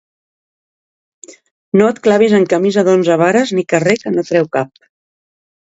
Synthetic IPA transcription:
noət̪klaβ̞izəŋkəmizəðonzəβaɾəznikərekənot̪ɾɛwkap̚

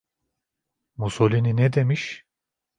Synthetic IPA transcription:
musolʲininɛd̪emiʃ

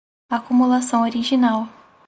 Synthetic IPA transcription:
akumulasɐ̃w̃oɾiʒinaw

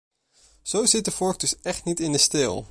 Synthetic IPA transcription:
z̥owzɪt̚dəfɔɹk̚dɵsɛχtnitɪndəstɪ̰ːlˠ

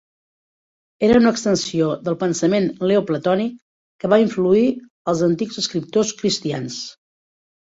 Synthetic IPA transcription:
eɾəunəːkst̪ənsioðəlˠpənsəmenleoplət̪ɔnikː | əβaiɱflui | əlˠzənt̪iɡzəskɾip̚t̪oskɾist̪ians

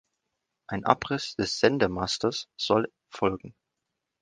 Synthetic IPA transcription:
ʔaɪnʔa̰pʁɪsd̥ɛsz̥ɛndəmastɐsz̥ɔl | fɔlɡŋ̩

